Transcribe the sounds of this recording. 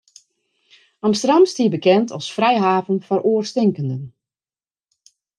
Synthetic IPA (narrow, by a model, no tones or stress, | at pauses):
ɑmstərdamstiːbəkɛntʰɔlˠsfrɛjɦaːvənfɔɾoərstɪŋkəndən